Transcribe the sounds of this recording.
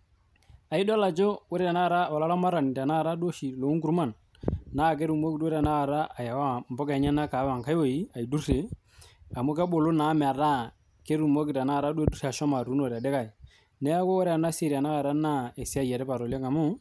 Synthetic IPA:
a˨i˦dɔ˦la˨t͡ʃo˦wɾɛ˦a˨na˦˨ɾa˦˨ɔ˨la˦la˦ma˦ɾa˨ni˨ta˨na˦˨ɾa˦do˦ʃi˨lo˨˦ŋku˦ɾma˦˨nː | a˦˨k̬e˦ɾu˨mo˦ki˦te˦ɾa˨na˦a˨ɾa˦ʔa˨ja˨wa˦m˨bɔ˦kɛ˨˦ɲɛ˦na˦ka˨˦βa˨ŋka˦jwo˦˨i˦a˨i˨du˦se˨ | a˨mu˦ka˦bo˨lo˦na˨˦mɛ˨a˨ɾa˦ | ke˦ɾu˨mo˦ki˨ta˨na˦˨ɾa˦de˦du˦se˨a˨ʃɔ˦ma˨ɾu˨˦no˨ɾa˨dɛ˦ka˨i˨ | nɛ˦a˦ko˦wɔ˦ɾɛ˦a˨na˦se˦ɾi˨a˨na˦ɣa˨ɾa˦na˦e˨si˦a˦jɛ˨ɾɛ˦pa˨ɾɔ˨le˦ŋa˨mo˦˨

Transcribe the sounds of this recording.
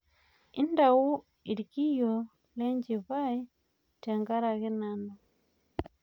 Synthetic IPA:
i˦nda˨wu˦ | i˨ɾiki˦jo˨ | le˦ɲd͡ʒi˨βa˦i˦ | te˨ŋɡa˦ɾa˨ɣe˦na˦no

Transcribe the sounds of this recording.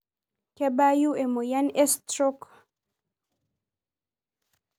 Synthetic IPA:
ke˦ba˦ju˦e˨mo˨ja˦nɛ˦st̪ɾo˦k

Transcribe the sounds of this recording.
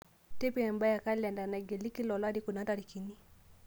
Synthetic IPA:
te˦pi˦ɛ˨mba˦ja˨ka˦lɛ˨nda˨na˨ɡe˨li˦ki˦lɔ˨la˦di˦ku˨na˦ta˨ɾi˨ki˨ni˦

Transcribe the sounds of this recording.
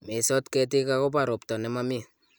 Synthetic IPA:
me˨sɔ˦tkɛ˧t̬i˦ka˦ko˦pa˨ɾo˨ptɔ˨nɛ˨˦ma˦mɪ˦˨

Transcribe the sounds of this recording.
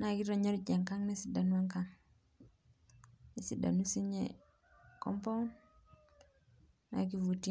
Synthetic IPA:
na˨ki˦ɾɔ˨ɲe˦ɾd͡ʒe˨ŋka˦ŋni˦si˨da˨nwa˦ŋka˦ŋ | ni˨si˨da̰˨nu˦si˦ɲe˨ | kɔ̰˦mpo˦n | na̰˨k̬i˦vu˨ti˦

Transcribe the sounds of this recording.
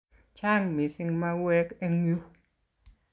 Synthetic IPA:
t͡ʃa˦˨ŋmi˨sɪ˧ŋma˦˧wɛ˧˦kɛ˧ŋu˦

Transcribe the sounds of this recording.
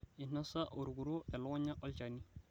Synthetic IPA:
ɪ˨na˦sa˦ʔo˨ɾɡu˨ɾo˦ɛ˨lɔ˦ɔ˦ɲa˦ʔɔ˦lt͡ʃa˨ni˦

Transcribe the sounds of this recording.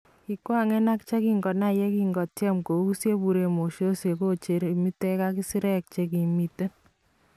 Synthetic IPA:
ki˨kwa˦˨ŋɛ˦na˦kt͡ʃe˦ki˦ŋɡɔ˨na˦˨je˦ki˦ŋɡɔ˨tjɛ˦mko˨u˦sje˦pu˨ɾe˨mo˨ʃo˦se˨ko˦t͡ʃe˨ɾe˨mi˦tɛ˦ka˦ki˦si˦ɾɛ˦k̚t͡ʃe˦ki˨mi˨te˦

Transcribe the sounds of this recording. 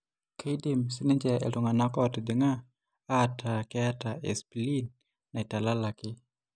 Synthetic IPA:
kʰajdimsi˦ni˦ɲd͡ʒɛʔɛ̰ltuŋa˨na˦kɔti˨d̪ɪŋa˦ | atʰa˨kɛa˦taɛ̰˨spili˦n | na˨i˨ta˨la˦la˨kɪ˦

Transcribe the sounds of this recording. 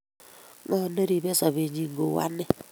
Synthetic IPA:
ŋɔ˦˨ne˦ɾi˨be˦sɔ˨βe˨ɲi˨ŋ˦ɡo˨wa̰˦ne˦

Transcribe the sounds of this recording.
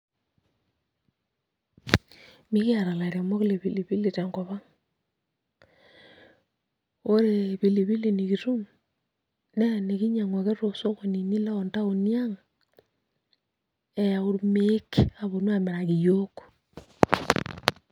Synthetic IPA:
mi˦ɣi˦a˨ɾa˨la˨ɾa˨mo˦ɣi˦le˨βi˨li˨βi˦li˨ta˨ŋɡo˨βa˦ŋ | o˦ɾe˨βi˨li˨βi˦li˨ni˨ɣi˨ɾu˦ŋ | ne˦˨ne˨ɣi˦ɲa˨ŋwa˨ɣe˦ɾo˨so˦ko˨ni˨ni˦la˦o˨nta˦o˨ni˦a˦ŋ | e˨ja˨o˦ɾume˦kea˨βo˨nwa˦˨me˨ɾa˨ɣi˨jo˦ko̥˨

